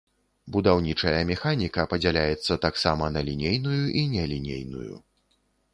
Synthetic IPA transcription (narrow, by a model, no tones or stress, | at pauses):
bud̪awnʲit͡ʂɐjɐmʲɛxanʲikɐpɐd͡zʲɛlʲajɛt̪sːɐt̪aksamɐnɐlʲinʲejnujuʔinʲɛlʲinʲḛjnṵjṵ